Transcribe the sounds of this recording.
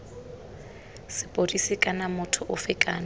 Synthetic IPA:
sɪpʼodisɪkʼanamʊtʰʊʔʊfɪkʼaːna

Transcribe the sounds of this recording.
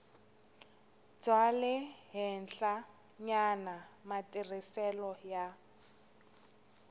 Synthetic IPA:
d͡zwalɛɦɪnɬa | ɲanamatʼirisɛlɔja

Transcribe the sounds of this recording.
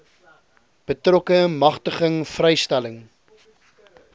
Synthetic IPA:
b̥ətrɔkəmɐχtəχəŋfrɛjstæləŋ

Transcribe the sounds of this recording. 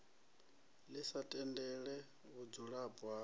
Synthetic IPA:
lisatʼɛndɛɺɛ | βud͡zuɺabwa

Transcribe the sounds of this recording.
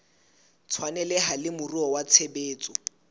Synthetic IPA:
t͡sʰwanɛlɛɦalɪmʊruɔwat͡sʰebeːt͡sʼɔ

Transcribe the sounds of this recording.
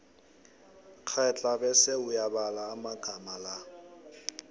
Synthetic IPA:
k͡xʰaɛt͡ɬʼabɛsɛʊjabalaːmaɡ̥ʱamala

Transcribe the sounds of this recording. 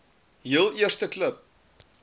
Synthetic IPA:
ɦiəlˠiərstəkləp̚

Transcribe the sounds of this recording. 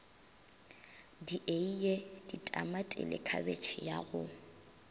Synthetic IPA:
diʔeijed̥itʼamatʼɪ̰lɪ̰kʰabet͡ʃʰɪjaɣʊ

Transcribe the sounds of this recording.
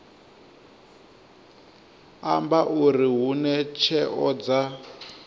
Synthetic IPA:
ambaʔuɾiɦunɛt͡ʃʰɛʔɔd͡za

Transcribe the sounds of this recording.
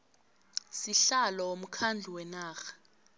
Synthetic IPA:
siɬalɔom̩kʰand͡ɮʱuwɛnaːxḁ

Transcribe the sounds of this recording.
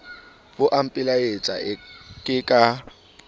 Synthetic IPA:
bʊʔam̩pʼɪlaet͡sʼa̰kʼɪkʼa

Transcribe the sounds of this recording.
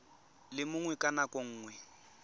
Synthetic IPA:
lɪmʊŋwɛkʼanakʼoŋ̩ːŋwɛ

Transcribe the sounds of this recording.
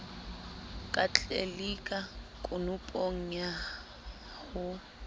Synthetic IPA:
kʼat͡ɬʼelikʼakʼʊnʊpʼoŋ̩ɲa | hʊ

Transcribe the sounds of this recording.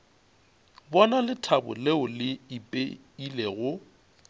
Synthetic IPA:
bɔnalɪtʰabʊ̰leʊlɪipʼe | ileɣʊ

